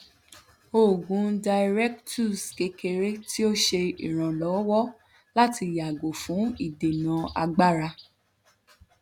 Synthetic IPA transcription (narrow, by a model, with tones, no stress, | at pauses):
o˦˨ɡũ˨˦da˧iɾɛ˦k̚tu˦˨ske˧ke˧ɾe˦ti˦o˦ʃe˧ḭ˨ɾ̃ã˨lɔ˨˦wɔ˦ | la˦ti˧˨ja˨ɡo˨fũ˨˦i˦˨de˨nã˨˦a̰˧ɡ͡ba˦ɾa˧